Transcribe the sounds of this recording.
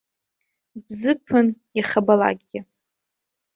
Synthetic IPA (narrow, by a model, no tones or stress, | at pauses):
bzɨpʰɨnjaχabala̰ɡ̚ʲɡʲɪ